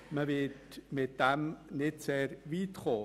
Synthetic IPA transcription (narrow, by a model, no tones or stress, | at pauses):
məvɪːd | mɪt̚d̥ɛmnɪtseːɾviːtχoː